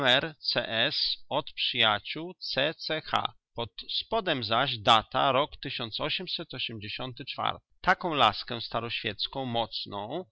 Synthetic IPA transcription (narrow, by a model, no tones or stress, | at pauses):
mɛɾt̪sɛ̰ʔɛsɔt̪pʂɘjat͡ɕuwt̪sɛt̪sɛxa̰ | pɔt̪spɔd̪ɛmzaʑd̪at̪aɾɔkt̪ɘɕɔnt̪sɔɕɛmsɛt̪ɔɕɛmd͡ʑeɕɔnt̪ɘt͡ʂfa̰ɾt̪ɘ̥t̪akɔ̃w̃la̰skɛst̪aɾɔɕfʲjɛt̪skɔ̃w̃mɔt̪snɔ̃w̃